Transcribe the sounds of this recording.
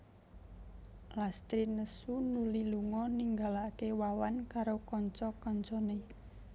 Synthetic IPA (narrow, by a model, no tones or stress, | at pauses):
last̪ɾinəsunuliluŋɔniŋɡalakewawankaɾokɔɲt͡ʃɔkɔɲt͡ʃɔne